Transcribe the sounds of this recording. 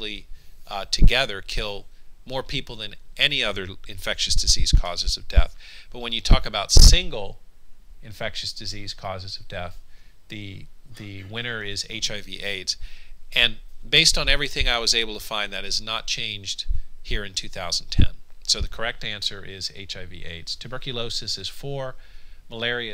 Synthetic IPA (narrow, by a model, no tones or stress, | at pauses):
li | tʰɨɡɛðə˞kʰɪlˠmɔɹpʰipl̩ˠðɨ̃nʔɛniʌðə˞ɨ̃ɱfɛkʃɨsd̥ɨziz̥kʰɔzɨzʌvdɛ̰θb̥ʌt̚wɨ̃njɨtʰɔkɨbaʊtsɪ̃ŋɡl̩ˠ | ɨ̃ɱfɛkʃɨsd̥ɨziz̥kʰɔzɨzʌvdɛθðɨðɨwɪ̃ɾ̃ə˞ɪzḛɪt͡ʃaɪviʔeɪdz̥ɨ̃nbeɪstn̩ɛvɹiθɪ̃ŋaɪwʌzeɪbl̩ˠtʰəfãɪ̃nðɨɾɨznət̚t͡ʃʰẽɪ̃nd͡ʒd̥̚hiɹɨ̃ntʰʉθaʊzn̩tʰɛ̰̃nsoʊðɨkʰə˞ɛk̚tæ̃nsə˞ʔɪzḛɪt͡ʃaɪvḭʔḛɪdz̥tʰɨbɜ˞kjɨloʊsɨsɨz̥fə˞məlɛɹiɨ